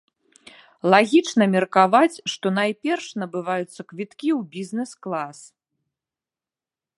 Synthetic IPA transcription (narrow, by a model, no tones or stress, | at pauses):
lˠaɣʲit͡ʂnɐmʲɛrkavat͡sʲʂt̪ɔnajpʲɛrʂnɐbɨvajut̪sːɐkvʲit̪kʲiwbʲizʲnɛsklˠas